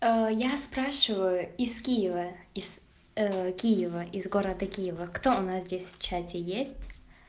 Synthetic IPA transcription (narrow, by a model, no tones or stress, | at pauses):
əjaspɾaʂɨvəjʊɪskʲijɪvəɪs | kʲijɪvəʔɪzɡoɾəd̪əkʲijɪvəkt̪oʊnaszʲdʲesʲft͡ɕatʲɪjesʲtʲ